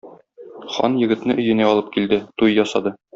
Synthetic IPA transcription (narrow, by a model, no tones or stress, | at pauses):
χɒ̰njɘ̆ɡɘ̆t̪nɘʔɵ̆jɘ̆næɒlˠɤp̚kild̪ɘt̪ujjɒsɑd̪ɤ